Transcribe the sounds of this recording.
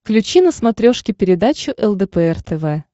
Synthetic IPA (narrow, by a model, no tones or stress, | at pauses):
klʲʉt͡ɕinəsmɐt̪ɾʲoʂkʲɪpʲɪɾʲɪd̪at͡ɕʊʔɛlˠd̪ɛpɛɛrt̪ɛvɛ